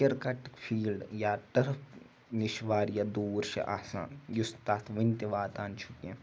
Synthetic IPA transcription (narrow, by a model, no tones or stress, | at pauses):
ɐɾkɐʈkpʰiːlɖjaːt̪ɐɾəpʰ | nɪʃʋaːɾjad̪uːɾʃḛʔa̰ːsa̰ːnjʊst̪aːt̪ʰʋɐnt̪eʋaːt̪aːnt͡ʃʰʊkiɛ̃